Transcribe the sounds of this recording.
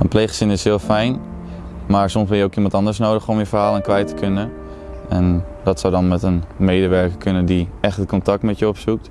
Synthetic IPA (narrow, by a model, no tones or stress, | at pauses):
ənplejχəsɪnɪshɪːəlˠfɛjn | maːɹsɔmsbɪjəokimɑntɑndəɹsnowdəχɔmjəfərhaːlˠɛnkʋɛjtə̥kʰønə | ɛndɔtsawdɔnmɛtənmeːdəʋɛɹkəkʰønədiɛxtəkʰɔntɑk̚tmɛtjəɔpsuk̚t